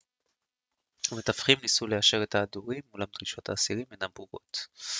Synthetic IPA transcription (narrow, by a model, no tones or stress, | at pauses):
amet̪afχimnisulejaʃe̞ʁet̪aːduʁimːulamd̪ʁiʃo̞t̪ʰaːsiʁimenambuʁo̞̰t̪